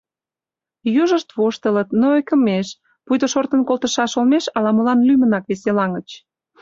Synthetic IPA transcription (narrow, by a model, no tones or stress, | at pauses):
juʒəʃt̪βoʃt̪ələt̪noojkəmeʃ | pujt̪oʃort̪ənkolt̪əʃɑʃolmeʃɑlɑməlɑnlymənɑkβeselɑŋət͡ɕ